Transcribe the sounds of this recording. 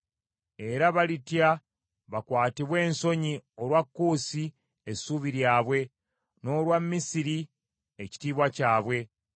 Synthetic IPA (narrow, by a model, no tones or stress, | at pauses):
e̞ɾaβalitja | βakwaːtiβwe̞ːnso̞ɲio̞lwakːuːsi | esuβiɾjaːβwe̞ | no̞ːlwamːisiɾi | eci̥tiːβwacaːβwe̞